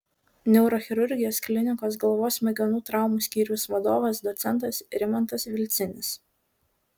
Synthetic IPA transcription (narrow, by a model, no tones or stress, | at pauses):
nʲɛʊɾoːxʲɪɾʊɾʲɡʲɪjoːsklʲɪnʲɪkoːs̬ɡɐlˠʋoːsmʲɛɡʲɐnuːt̪ɾɑˑʊmuːsʲkʲiːɾʲʊsʋɐd̪oːʋɐsd̪ɔt̪sʲɛnˑt̪̬ɐsɾʲɪmɐnt̪ɐsʋʲɪlʲt̪sʲɪnʲɪs